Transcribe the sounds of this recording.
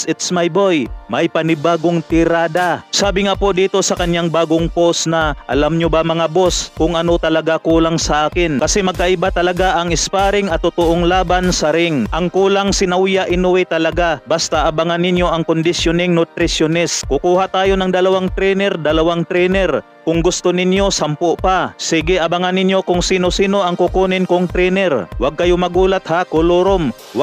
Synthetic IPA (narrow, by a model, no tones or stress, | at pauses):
sɪt̪smɐjbojmɐjpɐnɪbaːɡoŋt̪ɪɾaːd̪asaːbɪŋapo̞d̪iːt̪o̞sɐkɐnjaŋbaːɡoŋpo̞snɐʔɐ̰lamɲobamɐŋabo̞skʊŋʔɐno̞t̪ɐlɐɡakuːlaŋsɐʔaːkɪnkɐsɛmɐɡ̚kɐʔɪbat̪ɐlɐɡaʔɐŋɪspaːɾɪŋɐt̪ːʊt̪oʔoŋlaːbansɐɾɪŋʔɐŋkuːlaŋsɪnɐwjaʔɪnʊwɛt̪ɐlɐɡabast̪aʔɐbaŋanːɪnjo̞ʔɐŋkʊnd̪ɪsjonɪŋnʊt̪ɾɪsjonɛskʊkuːhat̪aːjo̞nɐŋd̪ɐlɐwaŋt̪ɾɛnɛɾd̪ɐlɐwaŋt̪ɾɛnɛɾ | kʊŋɡʊst̪onɪnjo̞sampʊʔpasiːɡɪʔɐbaŋanːɪnjo̞kʊŋsiːnosiːno̞ʔɐŋkʊkunɪnkʊŋt̪ɾɛnɛɾwaɡ̚kɐjomɐɡuːlat̪̚hakʊloɾom | wa